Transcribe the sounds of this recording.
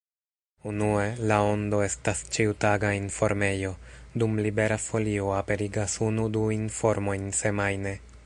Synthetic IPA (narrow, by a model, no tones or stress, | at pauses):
unue̞lao̞ndo̞e̞stast͡ʃiutaɡainfo̞ɾme̞jo̞dumlibe̞ɾafo̞lio̞ape̞ɾiɡasunuduinfo̞ɾmo̞jnse̞majne̞